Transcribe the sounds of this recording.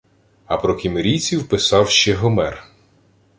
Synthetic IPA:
ɐpɾɔkʲimeɾʲijt͡sʲiwpɪsɑwʃt͡ʃɛɦɔmɛr

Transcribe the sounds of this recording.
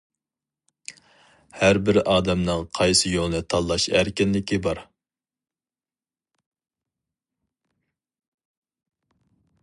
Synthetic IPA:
hæɾbɪɾʔɑːd̪ɛmnɨŋqʰɑjsɨjolˠnɨt̪ʰɑlˠːɑʃæɾkʲɪnlɪkʲʰibɑɾ

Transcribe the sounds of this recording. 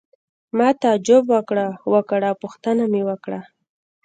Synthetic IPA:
mɑt̪aad͡ʒʊbwəkɽawəkɽawpʊxt̪ənamewəkɽa

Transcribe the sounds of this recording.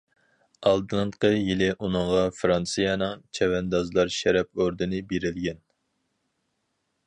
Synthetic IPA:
ɑlˠd̪ɨɴqəjilɪʔunɨŋʁɑfɾɑnsɨjɑnɨŋt͡ʃʰɛwɛnd̪ɑzlˠɑɾʃɛɾɛp̚oɾd̪ɨnɨbeɾɪlɡʲɛn

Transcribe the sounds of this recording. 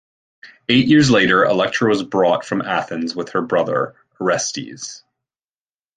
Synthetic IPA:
eɪʔjʔɪɹzleɪɾə˞ə̰lɛk̚t͡ʃʰɹə˞wʌzbɹɔtfɹʌ̃mæθɨ̃nzwəð̥ə˞bɹʌðə̰˞ | ə˞ɛstḭz̥

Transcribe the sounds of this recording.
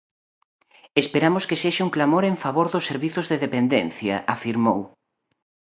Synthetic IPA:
espeɾamʊskeseʃauŋklamoɾeɱfaβoɾðʊsːeɾβiθʊzðeðepend̪enθjɐ̰ʔafiɾmow

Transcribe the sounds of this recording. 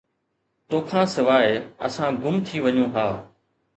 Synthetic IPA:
t̪oːkʰãːsɪʋaːeə̰sãːɡʊmt̪ʰiːʋəɲũːɦaː

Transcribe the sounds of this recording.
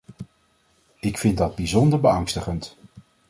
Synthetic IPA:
ɪkfɪndɑd̚bizɔndəɹbəɑŋstəχənt

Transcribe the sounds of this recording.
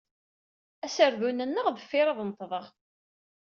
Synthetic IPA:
æsəɾðunənːəʁðəfːɪɾˤɑðˤnt̪ˤːðˤəʁ

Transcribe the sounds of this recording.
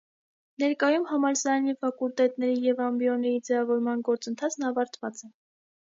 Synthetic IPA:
nɛɾkɑjumhɑmɑɾsɑɾɑnifɑkult̪ɛt̪nɛɾijɛvɑmbijɔnɛjid͡zɛvɑvɔɾmɑnɡɔɾt͡sənt̪ʰɑt͡sʰnɑvɑɾt̪ʰvɑt͡sɛ

